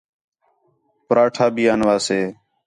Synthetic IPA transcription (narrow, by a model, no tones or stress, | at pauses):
pɾaːʈʰaːbiːaːnʋaːseː